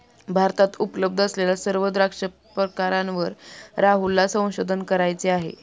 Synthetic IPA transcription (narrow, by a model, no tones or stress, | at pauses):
bʱaɾt̪at̪upləb̚d̪ʱəslelasəɾʋəd̪ɾakʂə | pɾəkaɾãnʋəɾɾaɦulːasə̃w̃ɕod̪ʱənkəɾajt͡seaɦḛ